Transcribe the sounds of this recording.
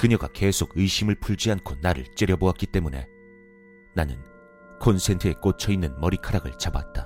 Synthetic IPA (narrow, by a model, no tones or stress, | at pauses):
kɯɲʌɡake̞sʰoɡɯiɕʰimɯɭpʰuɭd͡ʑiankʰonaɾɯ̰ɭt͡ɕ͈eɾjʌboak͈it͈e̞mune̞̰ | nanɯ̰n | kʰonsʰe̞ntʰɯe̞k͈ot͡ɕʰʌinːɯnmʌɾikʰaɾaɡɯɭt͡ɕaba̰t̚t͈a